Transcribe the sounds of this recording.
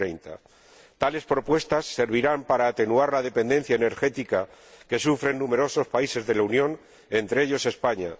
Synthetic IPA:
ɾejnt̪a̰ | t̪ale̞spɾo̞pwe̞st̪asːe̞ɾβ̞iɾampaɾaːt̪e̞nuaɾlaðe̞pe̞nd̪e̞n̟θjaene̞ɾxe̞t̪ikake̞sufɾe̞nːume̞ɾo̞so̞spaise̞zðe̞launjõ̞n | e̞nt̪ɾeeʎo̞se̞spaɲa̰

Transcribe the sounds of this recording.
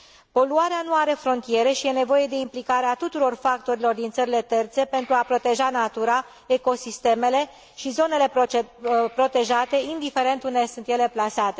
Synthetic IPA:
po̞luaɾeanuaɾe̞fɾo̞nt̪ijeɾe̞ʃije̞ne̞vo̞je̞d̪e̞implikaɾeat̪ut̪uɾo̞rfak̚t̪o̞ɾilo̞rd̪int̪səɾile̞t̪e̞rt̪se̞pe̞nt̪ɾuapɾo̞t̪e̞ʒanat̪uɾa | e̞ko̞sist̪e̞me̞le̞ | ʃizo̞ne̞le̞ | pɾo̞t̪e̞ʒat̪e̞ind̪ife̞ɾe̞nt̪und̪esunt̪je̞le̞plasat̪e̞

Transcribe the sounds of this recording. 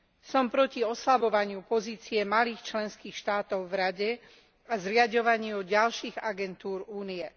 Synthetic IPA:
sɔmpɾɔciɔslabɔʋaɲɪupɔziːt͡siɛmaliːxt͡ʃlɛnskiːxʃt̪aːt̪ɔʊvɾaɟɛ | azɾɪaɟɔʋaɲɪjuɟalʃiːɣaɡɛnt̪uːɾuːnijɛ

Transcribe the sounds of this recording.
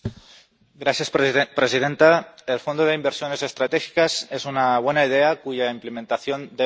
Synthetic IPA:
ɡɾasjaspɾesið̞e̞nt̪aelfo̞nd̪oð̞e̞imbeɾsjo̞ne̞se̞st̪ɾat̪exi̥kase̞sunaβ̞wenaið̞e̞akuʝaimplemẽnt̪aθjo̞nd̪e

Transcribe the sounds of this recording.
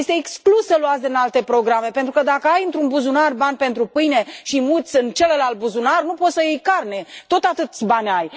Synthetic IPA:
jest̪eːksklusəluat̪sʲdinalt̪e̞pɾo̞ɡɾame̞pe̞nt̪ɾukəd̪akəajɨnt̪ɾunbuzunarbanʲpe̞nt̪ɾupɨjne̞ʃimut̪sʲɨnt͡ʃe̞lelalt̪̚buzunarnupo̞t̪səjejkarnet̪o̞t̪at̪ɨt̪sʲbanʲaj

